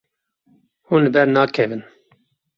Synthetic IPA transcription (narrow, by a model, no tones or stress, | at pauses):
hũːnlɨbɛɾnɑːkʰɛvɨn